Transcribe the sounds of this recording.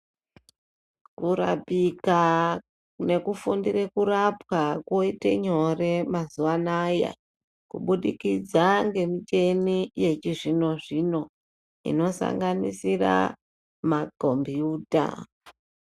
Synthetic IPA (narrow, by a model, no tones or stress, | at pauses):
kuɾa̰pika | ne̞kufundirekurapwako̞itḛɲo̞re̞mazuwanaja̰ | kuɓuɗikid͡zaŋɡe̞mit͡ʃe̞nije̞t͡ʃiʐino̞ʐino̞ | ḭno̞sa̰ŋɡanḭsira̰ | maɡʱombiuːdʱa̰